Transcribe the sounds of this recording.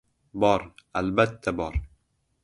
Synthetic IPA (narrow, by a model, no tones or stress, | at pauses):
bɒɾalbat̪ʰːabɒɾ